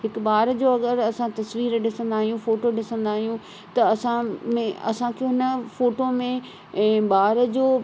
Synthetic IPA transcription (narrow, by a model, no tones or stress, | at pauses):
ɦɪkbaːɾd͡ʑoːɐɡəɾɐsãt̪ɐsʋiːɾɗɪsə̃nd̪aːɦijũfoːʈoɗɪsə̃nd̪aːɦijũ | t̪ɐɐsãmẽɐ̰sãkʰeõɦɪnəfoːʈomẽ | ɓaːɾəd͡ʑoː